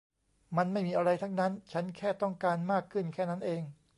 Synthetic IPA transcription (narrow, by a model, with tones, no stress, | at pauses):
ma˧nma˥˩jmiː˧ʔa˧ɾa˧jt̪ʰa˦˥ŋna˦˥nt͡ɕʰa˦˥nkʰɛː˥˩t̪ɔ˥˩ŋkaː˧nmaː˥˩kʰːɯ˥˩nkʰɛː˥˩na˦˥nʔeː˧ŋ